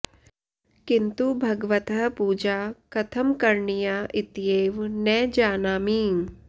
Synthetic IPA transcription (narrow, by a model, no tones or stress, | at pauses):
kɪnt̪ubʱɐɡʋɐt̪ɐɦpuːd͡ʒaːkɐt̪ʰɐmkɐɾɳijaʔɪt̪jeːʋnɛːd͡ʒaːnaːmiːn